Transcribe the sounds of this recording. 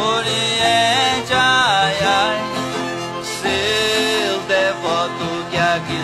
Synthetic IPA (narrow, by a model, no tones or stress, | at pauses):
oɾiɛd͡ʒaja | se | ld̪ɛvɔt̪ʊkɪaki